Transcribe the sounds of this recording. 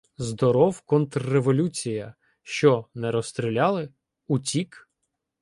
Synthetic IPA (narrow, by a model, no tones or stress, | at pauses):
zd̪ɔɾɔwkɔnt̪ɾːeʋɔlʲut͡sʲijɐ | ʃt͡ʃɔnɛɾɔst̪ɾʲilʲɑlˠɪ | utʲik